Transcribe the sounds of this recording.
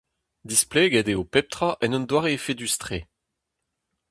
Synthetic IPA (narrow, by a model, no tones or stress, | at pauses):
d̪isplɛːɡɛd̪eopɛp̚t̪χaʔɛnɔnd̪waːʁeːfed̪yst̪χe